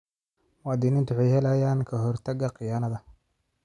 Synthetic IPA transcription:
wɑːd̪iːnɪnt̪ʰʊħɑjhɛlɐjaːnkʰɐɦɔrt̪ʰɐɡɐqɪjaːnɐðɐ

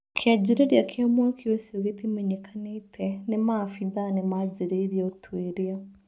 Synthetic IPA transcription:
kʰjad͡ʒiɾeɾjakʰamwakʰiwesioɣetimeɲekʰanetʰɛnemafiðanemazeɾeiɾjɔtʰweɾia

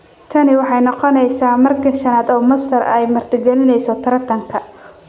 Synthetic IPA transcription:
t̪ʰɐnɪwɑħɑjnɔqɔnɛjsaːmɐrkʰɐʃɐnaːd̪ɔːmɐsɐrɛ̰jmɐrt̪ʰɪɡɛlɪnɛjsɔt̪ʰɐɾɐt̪ʰɐŋkʰɐ

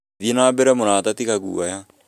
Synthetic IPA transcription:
ðienaːbɛɾɛmonaːtatikaɣṵaja

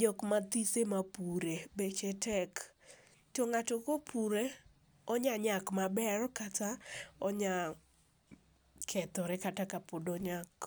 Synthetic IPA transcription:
d͡ʒɔkmat̪isemapuɾebet͡ʃɛtɛk | tɔŋatokopʰuɾe | ɔɲaɲakmabɛɾɔkataɔɲa | kʰɛt̪ɔɾɛkatakapodɔɲak

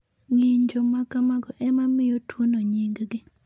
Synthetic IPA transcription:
ŋiɲd͡ʒomakamaɡɔʔɛmamɪjotwonoɲiŋɡɡɪ

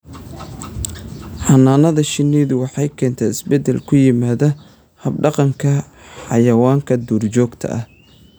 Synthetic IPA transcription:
ħɑnaːnɐðɐʃɪniːðʊwɑħɑjkʰɛːnt̪ʰɛːɪsbɛd̪ɛlkʰʊjɪmaːðɐ | hɐb̚ɖɑqɑŋkʰɐ | ħɑ̰jɐwaːŋkʰɐd̪uːrt͡ʃɔːɡt̪ʰɐ̰ʔɐh

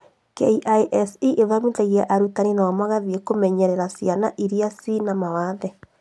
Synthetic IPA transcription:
kɛiʔaiʔɛsiʔeðamitɛɣiaʔaɾutaninaɔmaɣaðiekomɛɲɛɾɛɾasjanaʔiɾiasinamawaðɛ

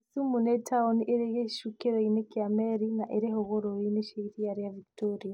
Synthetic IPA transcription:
sumunetʰaonʔeɾeɣeʃukeɾoinekiamɛɾinaʔeɾeɦoɣoɾoineʃeiɾiaɾijaviktɔɾija

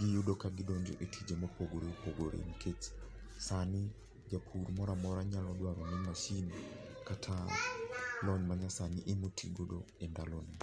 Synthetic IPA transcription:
ɡijudɔkaɡidɔɲd͡ʒɔ̰ʔetʰid͡ʒemopoɡoɾepoɡoɾḛŋkʰet͡ʃi̥ | sani | d͡ʒapʰuɾmɔɾamɔɾaɲalɔdwaɾɔɲɛmaʃinikatʰa | lɔɲmaɲasaniʔemutʰḭɡodɔ | ɛndaloni

